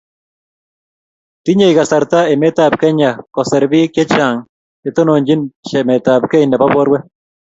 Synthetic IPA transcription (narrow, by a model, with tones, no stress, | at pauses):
ti˦ɲe˨iɣa˨sa˨ɾta˦e˨me˦ta˨p̚kɛ˦ɲa˨kɔ˨sɛ˨ɾβi˦kje˦t͡ʃa˨ŋ | e˦to˦no˨ɲd͡ʒi˦nʃɛ˨me˨taː˨p̚ke˦inɛ˨βa˦βwɔ˦ɾwɛ˦